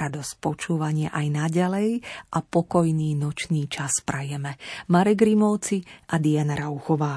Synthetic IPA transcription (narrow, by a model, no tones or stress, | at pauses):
ɾad̪ɔsc̚pɔt͡ʃuːʋaɲɪɛʔajnaɟalɛjʔapɔkɔjniːnɔt͡ʃniːt͡ʃaspɾajɛmɛmaɾɛɡɾimɔʊt͡siʔad̪ianaɾauxɔʋaː